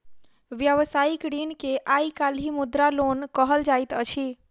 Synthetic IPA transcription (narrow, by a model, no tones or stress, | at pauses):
ʋjəʋsaikɾinkeʔaikalimud̪ɾalonkəɦəld͡ʒait̪ət͡ʃʰi